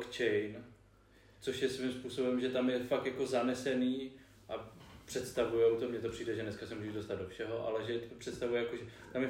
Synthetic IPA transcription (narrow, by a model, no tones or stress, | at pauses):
kt͡ʃɛjn | t͡so̞ʃjɛsvɪmspuːsobɛmʒɛt̪amjɛfakt̪jako̞zanɛsɛniː | ʔapr̥ɛt̪st̪avujɛwt̪omɲɛt̪o̞pr̥iːdɛʒɛnɛskasɛmuːʒɛʒdo̞st̪ad̪do̞fʃɛɦo̞ʔa̰lɛʒɛt̪pr̥ɛt̪st̪avujɛjakoʒɛt̪amjɛ